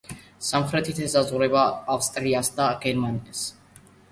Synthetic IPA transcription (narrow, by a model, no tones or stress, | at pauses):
samχɾɛt̪ʰit̪ʰɛsazʁuɾɛbaːfst̪ʼɾiasd̪aɡ̥ɛɾmanias